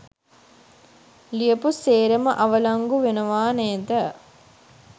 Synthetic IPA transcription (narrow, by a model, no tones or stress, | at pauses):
lijəpuseːɾəməʔaʋəlaŋɡuʋenəʋaːnɛːd̪ə